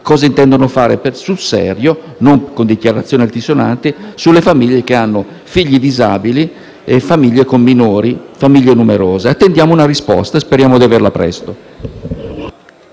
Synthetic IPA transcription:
kɔːzaint̪ɛnd̪onofaːɾepesulsɛ̰ɾjo | noŋkond̪ikjaɾat̪sːjoːnialt̪izona̰nt̪isulːefamiʎːek̟eanːo | fiʎːid̪izaːbili | efamiʎːekomːinoːɾifamiʎːenumeɾoːzeat̪ːend̪jaːmounarispɔ̰st̪aspeɾjaːmod̪iaverlapɾɛ̰st̪o

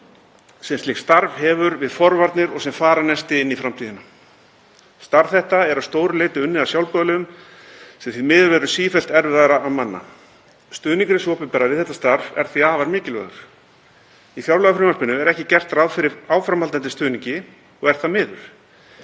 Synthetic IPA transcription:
sɛmst̪ɪxst̪aɾv̥hɛvʏɾvɪðfɔɾvaɾt̪nɪɾɔɣsɛmfaːɾanɛst̪ɪɪnːifɾamt̪ʰiːðɪna | st̪aɾv̥θɛht̪aɛɾawst̪oːwɾʏleːt̪ʏʏnːɪðawsjawlpœːðlʏʏm | sɛmθimɪːðvɛɾʏsiːfɛl̥t̪ɛɾvɪðaɾaamanːa̰ | st̪ʏːniŋkɾɪsɔːpɪpɛɾavɪðθɛht̪ːḁst̪aɾvɛ̰ɾ̥θviaːvaɾmɪːcɪlvœ̰ðʏɾ̥ | ifjawɾlœɣafɾɪmalspɪnːʏɛɾɛhcɪcɛr̥t̪raðfɪɾɪɾaːwfɾamalt̪ant̪ɪst̪ʏːniɲcɪ | ɔɣɛɾ̥θamɪːðʏɾ̥

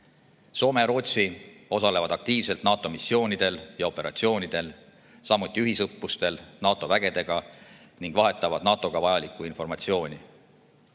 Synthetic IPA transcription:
so̞ːme̞ɾo̞ːt̪sio̞sɑle̞vɑd̪ɑk̚t̪iːvse̞lt̪nɑːt̪ːˑo̞misːjo̞ːnʲid̪̥e̞ljɑo̞pːe̞ɾʔɑ̰t̪sio̞ːnʲid̪̥e̞l | sɑmːut̪ʲˑːiyɦisɤpːust̪e̞lnɑːt̪ːˑo̞væɡ̥e̞d̪e̞ɡ̥ɑ | niŋɡ̥vɑɦe̞t̪ːˑɑvɑd̪̥̚nɑːt̪ːˑo̞ɡ̥ɑvɑjɑlikːˑuinfo̞rmɑt̪sio̞ːnʲi

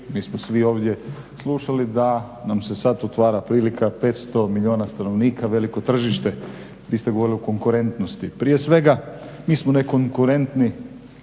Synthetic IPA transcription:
miːsmosʋio̞ːʋd̪je̞ | slˠuʃalid̪a | namse̞sat̪ot̪ʋaːɾapɾiːlikʰape̞t̪st̪o̞miʎio̞ːnast̪ano̞ʋniːkaʋe̞liko̞t̪r̩ʒiʃt̪e̞ | ʋiːst̪eɡooɾiliuko̞ŋkuɾe̞nt̪nost̪ipɾiːe̞sʋe̞ɡamiːsmone̞ko̞ŋkuɾe̞nt̪ni

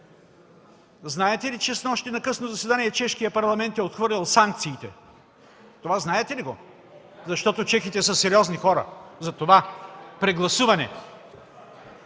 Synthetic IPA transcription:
znaɛt̪ɛlit͡ʃɛsnɔʃt̪ɛnɐkɤsnozɐsɛd̪aniɛt͡ʃɛʃkijɐpɐɾlˠɐmɛnt̪ɛot̪xvɤɾlʲilˠsaŋk̚t̪siːt̪ɛ̰ | t̪ovaznaɛt̪ɛliɡo | zɐʃt̪ɔt̪ot͡ʃɛxit̪ɛsəsɛɾiɔznixɔɾɐ̰zɐt̪ovapɾɛɡlˠɐsuvɐnɛ̰

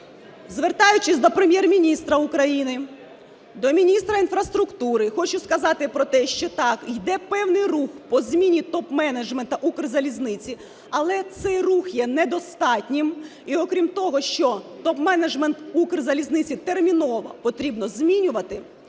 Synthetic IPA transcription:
zʋert̪ɑjʊt͡ʃɪsʲd̪ɔpɾemʲjɛrmʲinʲist̪ɾɐʊkɾɐjinɪ | d̪ɔmʲinʲist̪ɾɐinfɾɐst̪ɾʊkt̪uɾɪxɔt͡ʃʊskɐzɑt̪ɪpɾɔt̪ɛʃt͡ʃɛt̪ɑkjd̪ɛpɛwnɪjruxpɔzʲmʲinʲit̪ɔpmɛnɐʒment̪ɐʔukrzɐlʲiznɪt͡sʲi | ɐlˠɛt̪sɛjruxjɛnɛd̪ɔst̪ɑtʲnʲɪm | iɔkɾʲimt̪ɔɦɔʃt͡ʃɔt̪ɔpmɛnɐd͡ʒment̪ukrzɐlʲiznɪt͡sʲit̪ermʲinɔʋɐ̰pɔt̪ɾʲibnɔzmʲinʲʊʋɐt̪ɪ

